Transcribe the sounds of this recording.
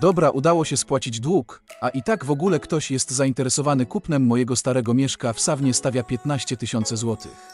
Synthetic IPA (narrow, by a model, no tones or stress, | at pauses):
d̪ɔbɾaʔud̪awɔɕɛspwat͡ɕid͡ʑd̪wukʔaʔit̪aɡvɔɡulɛkt̪ɔɕjɛst̪zaint̪ɛɾɛsɔvanɘkupnɛmːɔjɛɡɔst̪aɾɛɡɔmʲjɛʂkafsavɲɛst̪avʲjapʲjɛt̪naɕt͡ɕɛt̪ɘɕɔnt̪sɛzwɔt̪ʰɘ̰x